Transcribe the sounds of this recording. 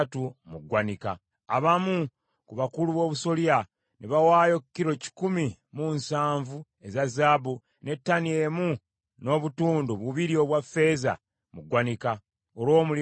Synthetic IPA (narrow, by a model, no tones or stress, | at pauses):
tumuɡwanika̰ː | βamu | kuβakuluβo̞ːβuso̞lia | niβawaːjo̞kkːiɾo̞ci̥kumimunsaːɱvu | e̞zazabu | ne̞tːanie̞mu | no̞βutuːnduβuβiɾio̞βwafe̞ːza̰ | muɡwanika | oɾwo̞ːmuli